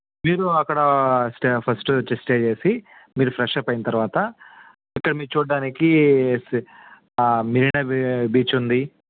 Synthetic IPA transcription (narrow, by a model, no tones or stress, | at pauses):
miːɾuɐkːɐɽɐsʈpʰɐsʈut͡ʃesʈeːd͡ʒeːsi | miːɾupʰɾɛʂepɐjinɐt̪ɐɾʋaːt̪ɐ | ikːɐɽɐmiːɾut͡ʃuːɽːaːniki | miɾinɐbiːt͡ʃund̪i